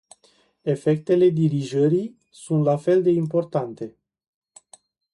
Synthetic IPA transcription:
e̞fe̞k̚t̪e̞le̞d̪iɾiʒəɾi | sunt̪lafe̞ld̪e̞impo̞rt̪ant̪e̞

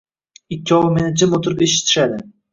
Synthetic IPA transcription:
ɪkʲːɪɒwɪmenɪt͡ʃʰɪmot̪ʰʊɾɪpeʃɪ̥t̪ʰɪ̥ʃad̪ɪ

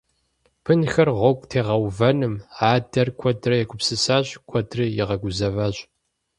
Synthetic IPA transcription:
pʰɨnxɐrʁʷɔɡʷʼtʰeːʁɐwvɐnɨmaːdɐrkʷʰɔdrɐjɛkʷʊpsɨsaːɕkʷʰɔdrɨjɛʁɐɡʷʊzɐvaːɕʼ

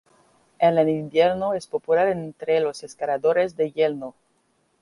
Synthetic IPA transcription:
eleninbjeɾnoespopulaɾent̪ɾelo̞seskaɾaðoɾezd̪e̞jelno

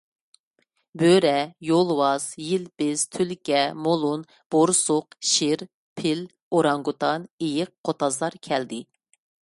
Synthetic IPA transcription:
bøɾɛjolˠwɑz̥jilpɪz̥t̪ʰylkʲɛmolˠun | b̥oɾsʊqʃɪɾ | pʰɪl | oɾɑŋɡut̪ʰɑnejɪqqʰːot̪ʰɑzlˠɑɾkʲʰɛld̪ɪ

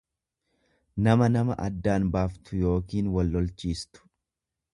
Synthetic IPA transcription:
nɐmɐnɐmɐʔɐ̰d̪ːaːnbaːft̪ʊjo̞ːkiːnwɐlːɔlt͡ʃiːst̪ʊ̥

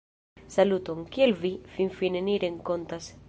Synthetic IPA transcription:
salut̪oŋkielvifinfineniɾeŋkont̪as

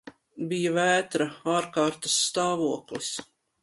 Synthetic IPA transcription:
bijavæːt̪ɾaaːɾkaːɾt̪ɐ̥sːt̪aːvuɔklis

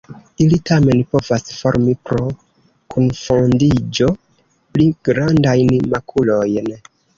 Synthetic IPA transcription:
ilitame̞npo̞vasfo̞ɾmipɾo̞ | kʰunfondid͡ʒo̞ | pliɡ̥ɾandajnmakʰulo̞jn

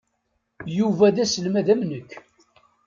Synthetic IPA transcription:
juvæðæsəlmæðæmnəkː

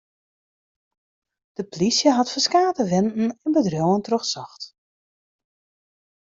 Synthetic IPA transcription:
d̥əplisjəɦɑtfəskaːtəʋɛnn̩ɛnbədrjowəntrøxsɔxt

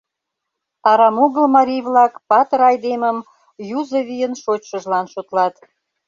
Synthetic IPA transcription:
ɑɾɑmuɣəlmɑɾʲijβlɑkpɑt̪əɾɑjd̪eməm | juzəβijənʃot͡ɕʃəʒlɑnʃot̪lɑt̪

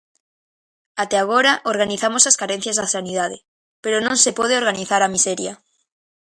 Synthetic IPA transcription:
at̪eaɣ̞oɾaʔoɾɣaniθamosaskaɾenθjazðasanið̞aðe | peɾonõnsepoðeo̞ɾɣaniθaɾamiseɾja

